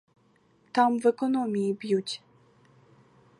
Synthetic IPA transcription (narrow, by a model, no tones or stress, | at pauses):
t̪amvɛkɔnɔmʲibjut͡ɕ